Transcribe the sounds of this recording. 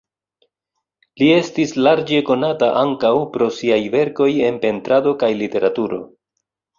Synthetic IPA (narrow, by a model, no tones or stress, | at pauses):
lie̞stislaɾd͡ʒe̞ko̞nataʔaŋkawpɾo̞siajve̞ɾko̞je̞npe̞ntɾado̞kajlite̞ɾatuɾo̞̰